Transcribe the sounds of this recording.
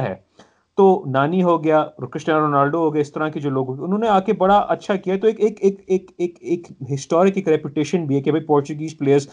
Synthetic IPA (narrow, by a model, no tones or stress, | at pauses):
ɦɛ̰ː | t̪oːnaːniɦoɡɐjaːɾkɾɪʃʈãːɾoːnaːlɖoɦoːɡɐjeɪst̪ɐɾãkid͡ʒoːloːɡɦoːɡiʊnɦõːneaːkebɐɽaʔɐtːʃʰakijaɦɛt̪oeːkeːkeːkeːkeːkeːkɦɪsʈɔːɾɪkeːkɾɛpjʊʈeːʃənbʱiɦɛːkibʱɐipɔːɾt͡ʃʊɡiːzpleːjəɾz